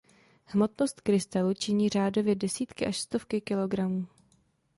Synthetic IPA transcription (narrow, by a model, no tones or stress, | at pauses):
hmo̞t̪no̞st̪kɾɪst̪alut͡ʃɪɲiːr̝aːdo̞vjɛdɛsiːt̪kɪʔaʃst̪ofkɪkɪlo̞ɡɾamuː